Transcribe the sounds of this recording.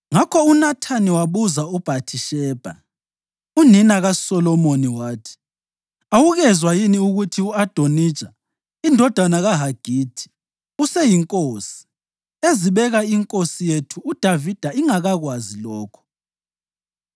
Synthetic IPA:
ŋakʰɔunatʰaniwaβuzaub̥ʱatʰiʃɛːb̥ʱa | uninaɣasɔlɔmoniwaːtʰi̥ | awuɣɛzwajiniuɣutʰiuad̥ʱonit͡ʃʼa | indʱɔd̥ʱanaɣaɦaɡ̥ʱiːd̥ʰʱi̥ | usɛjiŋkʼoːsi̥ | eziβɛɣaiŋkʼosijetʰuːd̥ʱavid̥ʱaiŋaɣaɣwazilɔːkʰɔ̥

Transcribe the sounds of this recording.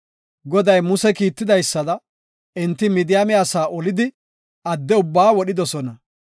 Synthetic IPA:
ɡɔd̪ɐjmʊsɛkiːt̪ːɪd̪ɐjsːɐd̪ɐ | ɪnt̪ːɪmid̪ɪjamɛaːsaːʔɔlɪd̪ɪ | ɐd̪ːɛʊbːaːwɔɗɪd̪ɔsɔnɐ

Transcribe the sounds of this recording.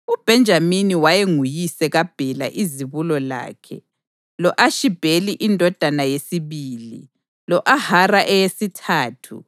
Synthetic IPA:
ub̥ʱɛnd͡ʒʱaminiwajeŋujisɛɣab̥ʱɛla̰ʔiziβulɔla̰ːkʰɛ̰ | lɔʔaʃib̥ʱeliʔindʱɔd̥ʱanajesiβiːlḭ | lɔʔaharaʔɛjesitʰaːtʰṵ

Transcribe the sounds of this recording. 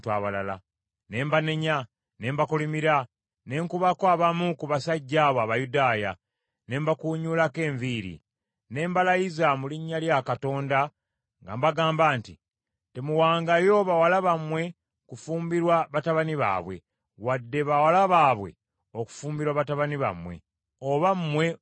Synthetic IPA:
tuaβala̰la̰ | ne̞ːmbaneɲa | ne̞ːmbakulimiɾa | ne̞ːŋkuβakoaβamukuβasaɟːaːβoaβajudaːja | ne̞ːmbakuːɲuːlake̞ːɱviːɾḭ | ne̞ːmbalajizamuliɲːaljakato̞ːnda | ŋɡa̰mbaɡaːmbaːnti | te̞muwaːŋɡajo̞βawalaβamwe̞ | kufuːmbiɾwaβataβaniβa̰ːβwe̞̰ | wadːe̞βawalaβaːβwe̞̰ | o̞ku̥fuːmbiɾwaβataβaniβa̰mwe̞̰ | oβammːwe̞

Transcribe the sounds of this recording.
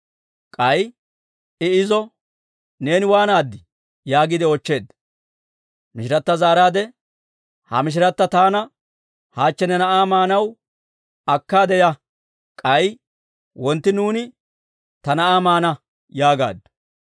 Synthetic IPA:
kʼɐj | ɪɪzɔ | ne̞ːnɪwaːnaːd̪ːɪ | jaːɡɪd̪ɪɔt͡ʃːe̞ːd̪ | mɪʃɪɾɐt̪ːɐzaːɾaːd̪ɛ | hɐ̰mɪʃ̬ɪɾɐt̪ːɐt̪aːnɐ | haːt͡ʃːɛnɛnɐʔaːmaːnɐw | ɐkːaːd̪ɛjɐ | kʼɐj | wɔnt̪ːɪnuːnɪ | t̪ɐnɐʔaːmaːnɐ | jaːɡa̰ːd̪ːɐ̥

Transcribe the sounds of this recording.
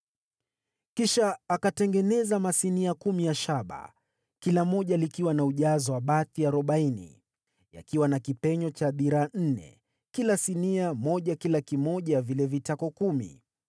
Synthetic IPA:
kiʃaːkatɛŋɡɛnɛzamasiniakumijaʃaɓa̰ | kilamɔʄalikiwanauʄazɔwaɓaθiaɾɔɓainḭ | ja̰kiwanakipɛɲɔt͡ʃaɓiɾan̩nɛ̰ | kilasiniamɔʄakilakimɔʄavilɛvitakɔkumḭ

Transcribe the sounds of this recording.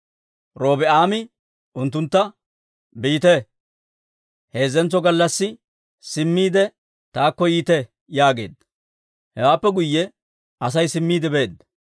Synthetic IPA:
ɾoːbɪʔaːmɪ | ʊnt̪ːʊnt̪ːɐ | biːt̪ɛ | he̞ːzːɛnt͡sːɔɡɐlːɐsːɪ | sɪmːiːd̪ɛ | t̪aːkːɔjiːt̪ɛ | jaːɡe̞̰ːd̪ɐ | hɛwaːpːɛɡʊjːɛ | ɐsɐjsɪmːiːd̪ɛbeːd̪ɐ

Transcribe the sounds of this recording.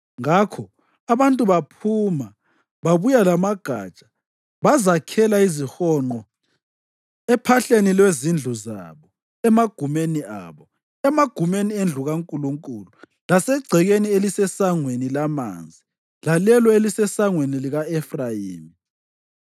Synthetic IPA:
ŋakʰɔ | aβantʼuβapʰuma | βaβujalamaɡ̥ʱa̰ːt͡ʃʼḁ | βazakʰɛlaizixɔŋ͡ǃɔ | ɛpʰaɬenilwezind͡ɮʱuza̰βɔ | ɛmaɡ̥ʱumenia̰ːβɔ | ɛmaɡ̥ʱumeniend͡ɮʱuɣaŋkʼuluŋkʼulu | lasɛɡ͡ǀʱɛɣenielisɛsaŋwenilama̰nd͡zʱi | lalɛlɔelisɛsaŋweniliɣaɛfrajḭːmi

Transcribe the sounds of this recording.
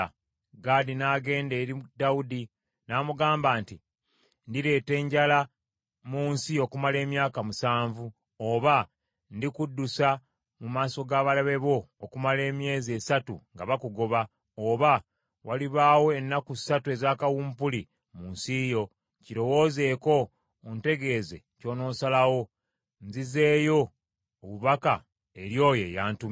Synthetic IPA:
ɡaːdinaːɡe̞ːnde̞ːɾidaudi | naːmuɡaːmbaːnti | ndiɾe̞ːte̞ːɲɟala | muːnsio̞kumale̞ːmjaːkamusaːɱvu | oβa | ndikudːusa | mumaːso̞ɡaːβalaβe̞βo̞ːkumale̞ːmje̞ːze̞satṵŋɡaβakuɡo̞βa | oβa | waliβaːwo̞enːakui̥satue̞zaːkawuːmpuli | munsijo̞ | ciɾo̞wo̞ːze̞ːko̞ː | nte̞ɡe̞ːze̞ | co̞ːno̞ːsalawo̞ | nzize̞ːjo̞ː | βuβaka | eɾjo̞ːjejaːntum

